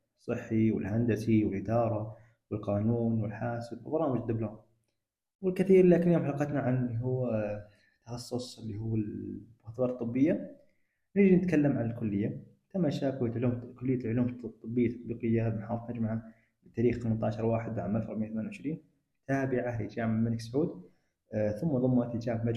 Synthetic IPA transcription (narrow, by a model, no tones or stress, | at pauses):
sˤːɨħːiwɪ̰lhand̪asiwɪlʔɪd̪ɑːɾˤɑ | wɪlqɑːnuːnwɪlħaːsbɑɾˤɑːmɪd͡ʒd̪ɪbloːm | wɪlkɪθiːɾlaːkɪnːɪːʊmħlɑːqɑt̪naʕanliɦuː | t̪ːɑxɑsˤːʊsˤɪlːihuːɪbʊxt̪bɑːɾˤt̪ˤːɨbːɪjːa | nɪɾd͡ʒinɪt̪kalːamʕanɪlkʊlːɪjːa | t̪amːaʃaːkwajat̪ʕluːmkʊlːɪjːalʕʊluːmt̪ˤːɨbːɪjːat̪ːɑ̥t̪ˤbiːqɪjːabmaħaːðˤɑt̪mad͡ʒmaʕa | bɪt̪aːɾiːxθamant̪ʕaʃɑɾˤwaːħɪd̪wʕamːalfɾɑʕmɪjːθmaːnwʊʕɪʃɾiːn | t̪ʰaːbɪʕalɪ̰d͡ʒaːmɪʕmɪlksʕuːd̪ | θʊmːaðˤʊmːat̪d͡ʒaːmʕmad͡ʒ